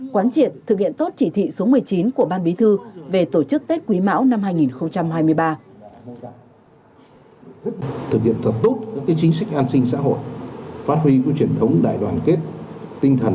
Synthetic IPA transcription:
kwaː˨˦nt͡ɕi˧˨˩ənt̪ʰɨ˨˩k̚hḭ˧˨ənt̪o˦˥t̚t͡ɕḭ˧˩t̪ʰḭ˧˨so˨˦mɨ˨˩əjt͡ɕi˨˦nku˧˩əɓaː˧nɓi˨˦t̪ʰɨ˧ve˨˩t̪o˧˩t͡ɕɨ˦˥k̚t̪e˦˥t̚kwi˨˦ma̰ː˧˥wna˧mhaː˧jŋi˨˩nxə˧wŋ͡mt͡ɕa˧mhaː˧jmɨ˧əjɓaː˧ | t̪ʰɨ˨˩k̚hḭ˧˨ənt̪ʰə˨˩t̚t̪o˦˥t̚kaː˦˥k̚ːaː˨˦jt͡ɕi˨˦ŋsa˦˥jk̟̚ʔaː˧nsï˧ŋ̟sa̰ː˧˥ɦo̰˧˨jfaː˦˥t̚hwi˧ku˧˩t͡ɕi˨˩ənt̪ʰə˨˦wŋ͡mɗa̰ː˧˨jɗwaː˨˩nke˦˥t̚ | t̪ï˧ŋt̪ʰə˨˩n

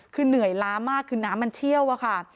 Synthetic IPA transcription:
kʰɯː˧nɯ˨˩˦əjlaː˧˥maː˥˩kʰːɯː˧naː˦˥mːa˧nt͡ɕʰi˥˩əwʔa˧˥˩kʰa˥˩

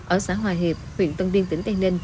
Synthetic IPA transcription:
ʔəː˧˩saː˨˦ɦwaː˨˩jɦe˨˩p̚hwḭ˧˨ənt̪ə˧nvi˧ənt̪ï˨˦ŋ̟t̪a˧˩ne˧n

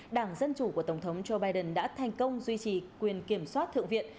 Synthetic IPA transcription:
ɗaː˧˩ŋzə˧nt͡ɕu˧˩ku˧˩ət̪ə˧˩wŋ͡mt̪ʰə˨˦wŋ͡mzo˧ɓaː˧jɗə˨˩nɗa̰ː˧˥t̪ʰa˨˩jŋ̟kə˧wŋ͡mzwi˧t͡ɕi˨˩kwi˨˩ənki˧˩əmswaː˦˥t̚t̪ʰɨ̰˧˨əŋvḭ˧˨ən

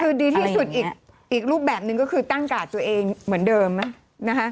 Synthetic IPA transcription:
kʰɯː˧diː˧t̪iː˥˧˩su˨˩t̪̚ʔiː˨˩k̚ | ʔiː˨˩k̚ɾuː˥˩p̚bɛː˨˩p̚nɯ˨˧ŋkɔː˥˩kʰɯː˧t̪aː˥˩ŋkaː˨˩t̪u˧ɐʔeː˧ŋmɯ˩˦əndɤː˧mːna˦˥ | na˦˥kʰa˦˥ʔ

